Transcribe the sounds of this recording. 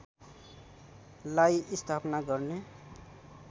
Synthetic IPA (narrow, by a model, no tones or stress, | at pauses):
lajist̪ʰapnaɡʌrne